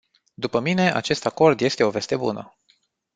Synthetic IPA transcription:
d̪upəmine̞ʔa̰t͡ʃe̞st̪ako̞rd̪je̞st̪e̞o̞ve̞st̪e̞bṵnə̰

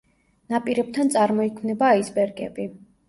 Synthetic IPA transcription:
napʼiɾɛb̚t̪ʰant̪sʼaɾmɔikʰmnɛbaːisbɛɾɡɛbi

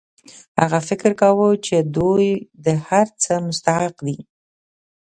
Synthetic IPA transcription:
haɣafɪkɾkawət͡ʃed̪ujd̪əhaɾt͡səmʊst̪ahaqd̪i

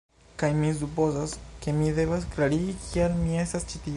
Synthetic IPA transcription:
kajmis̬upo̞zaske̞mide̞vasklaɾiikʰialmie̞stast͡ʃiti

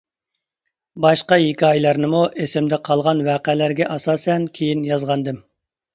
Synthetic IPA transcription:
bɑʃqɑjikʲiɑjlˠɑɾnɨmuʔesɪmd̪ɪqʰɑlˠʁɑnwæːqælæɾɡʲɛʔɑsɑːsɛnkʲʰejinjɑzʁɑnd̪ɨm

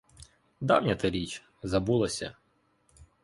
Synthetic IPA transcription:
d̪ɑ̰wnʲɐt̪ɪɾʲit͡ʃ | zɐbulˠɐsʲɐ̰

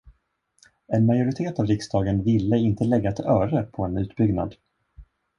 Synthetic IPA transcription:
ɛnmajʊɾɪt̪ʰeːt̪avɾɪksd̪ɑːɡənvɪlːəɪnt̪ʰəlɛɡːat̪ʰɪœːɾəpʰɔɛnʉ̟ːt̪bʏɡna̰d̪

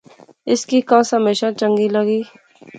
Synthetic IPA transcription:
ɪskikãːsəmeːʃãt͡ʃə̃ŋɡiləɡiː

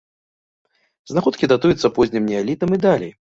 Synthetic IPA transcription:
znaxɔt̪̚kʲid̪at̪ujut̪sːɐpɔzʲnʲimnʲɛalʲit̪ɐmid̪alʲɛ̰j

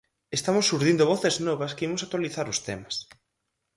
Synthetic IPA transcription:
est̪amʊsːuɾðind̪oβɔθeznɔβɐskeimʊsak̚t̪waliθaɾʊst̪ḛmɐs

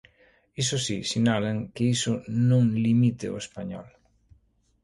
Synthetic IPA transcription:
isʊsisiɲalaŋkɪisʊnõŋlimit̪ɪo̰espaɲɔ̰l

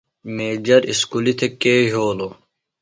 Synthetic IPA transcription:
meːd͡ʑɐɾiskulit̪ʰekeːɦoːloː

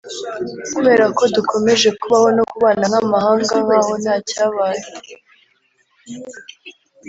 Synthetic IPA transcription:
kuβe̞ːɾako̞dukʰo̞me̞ʒe̞kuβaho̞no̞kuβaːnanamahaːŋɡaβaho̞naːcaːβaːje

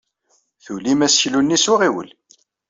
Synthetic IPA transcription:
θulimæsçlunːisʊʁiwə̰l

